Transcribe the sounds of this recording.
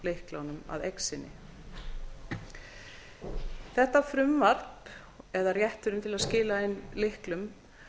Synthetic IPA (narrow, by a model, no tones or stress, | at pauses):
lɪhklawnʏma̰ðejksɪnːɪ̰ | θɛht̪afɾʏmvar̥p | ɛðarjɛht̪ʏɾʏmt̪ʰɪlaðscɪːlaejnlɪhklʏm